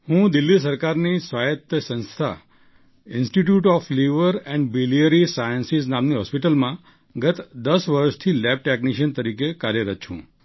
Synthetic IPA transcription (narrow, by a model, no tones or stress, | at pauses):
hũd̪ilːis̬əɾkaɾnisʋajət̪əsə̃nst̪ʰa̰ | ɪnsʈiʈjuʈɔfliʋəɾɛ̃ɳɖbiliəɾisajənsisnamniɦɔspiʈəlmã | ɡət̪d̪əsʋəɾʃt̪ʰilɛb̚ʈekniʃənt̪əɾikekaɾjəɾət̪̚t͡ʃʰṵ̃